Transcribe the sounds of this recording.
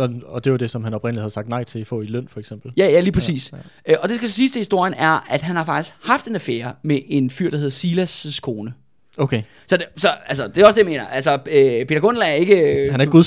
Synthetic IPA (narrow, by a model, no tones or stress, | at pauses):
ɒɒd̥e̝ʋɑd̥e̝sɒ̽mɦænɒb̥ʁenəlihæð̩ˠsɑ̈ɡ̥d̥nɑ̈ɪ̰t͡sʰe̝ifɔ̰̽ːiløn̰fɒ̽eɡ̥sem̰b̥l̩jæjæliːpʰʁɛsḭːsɒ̽d̥e̝sɡ̥æsɒ̽siːsd̥ʰehisd̥o̝ɐ̰jənæɐæd̥ɦænhɑ̈fɑ̈ɡ̥d̥isɡ̥hɑ̈fd̥e̝næfeɐmeʔe̝nfyɐ̰d̥ɑhe̝ð̞ˠɐsiːlæsskʰo̝ːnə | okʰe | sɒ̽dsɒ̽ælsɒd̥e̝ɒsd̥e̝jame̝̰ːnɐʔælsɒøpʰe̝ːdɐɡ̥ʰɔn̰l̩æɐe̝ɡ̥əhænæɐɡuðˠ